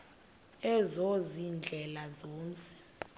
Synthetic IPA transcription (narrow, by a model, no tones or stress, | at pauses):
ɛzozind͡ɮʱɛlazoːnt͡sʼʰɛ̥